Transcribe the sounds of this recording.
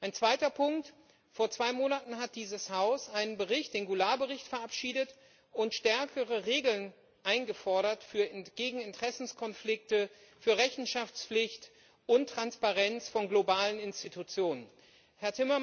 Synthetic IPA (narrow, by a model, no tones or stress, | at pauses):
ʔaɪnt͡sv̥aɪtɐpʰʊŋkt | foːɐt͡sv̥aɪmoːnatn̩ɦat̚d̥iːzəshaʊsʔaɪnənbəʁɪçt̚d̥eːnɡulaːbəʁɪçtfɛɐʔapʃiːdət | ʔʊntʃtɛɐkʰəʁəʁeːɡl̩n | ʔaɪnɡəfɔɐɾɐtfyːɐɡ̥eːɡŋ̩ɪntʁ̥ɛsn̩skʰɔnflɪk̚tə | fyːɐʁɛçn̩ʃaft͡sflɪçt | ʔʊntʁ̥anspaʁɛnt͡sfɔnɡlobaːlənɪnstitʰut͡sjoːnən | hɛɐtʰɪmɐ